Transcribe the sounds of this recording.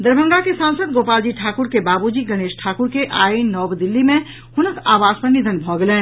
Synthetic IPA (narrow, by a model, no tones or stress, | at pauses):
d̪əɾbʱə̃ŋɡakesãːnsəd̪ɡoːpaːld͡ʒiʈʰaːkʊɾkebaːbud͡ʒiɡəñeːʃʈʰaːkuɾkeʔaːinːɔːbd̪ɪlːimẽ | hʊnəkaːʋaːspənid̪ʱənbʱɔːɡlẽː